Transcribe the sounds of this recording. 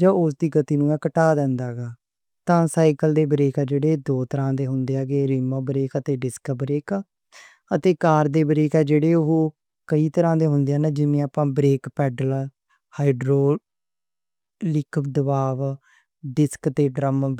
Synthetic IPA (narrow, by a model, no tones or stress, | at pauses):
d͡ʒəːoːsd̪iːɡət̪iːnũːɛːkəʈaːd̪ɛ̃ːnd̪aːɡaː | t̪ãːsaːɪkəld̪eːbɾeːkɛːd͡ʒeːɽeːd̪oːt̪əɾãːd̪eːɦʊnd̪eːaːɡeːɾiːmoːbɾeːkət̪eːɖɪskbɾeːkː | ət̪eːkaːɾd̪eːbɾeːkɛːd͡ʒeːɽeːoɦoː | kəiːt̪əɾãːd̪eːɦʊ̃nd̪eaːnaːd͡ʒɪmẽːaːpãːbɾeːkpɛːɖəl | haːɪɖɾoː | lɪkəd̪əbaːʋ | ɖɪskt̪eːɖɾəm